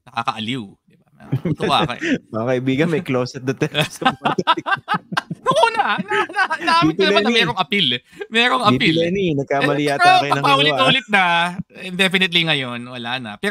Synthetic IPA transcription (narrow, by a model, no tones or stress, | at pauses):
nɐkakɐʔɐliwd̪ɪbamɐt̪a̰kɐ̰mɐɐkɐʔibiːɡɐnmɐjklosɛt̪̚d̪ɐt̪ɛsɐ | nʊŋʔuːnɐnɐnɐʔaːmɪkɐnɐaɐmɛːɾoŋʔɐpilmɛːɾoŋɐpiɛninɐɡ̚kamɐlijat̪akɐjɐnɐŋpɐʔuːlɪt̪uːlɪt̪̚nɐɪnd̪ɛfɪnɪt̪̬liŋɐjo̞nwɐlaːnɐ̰pɛː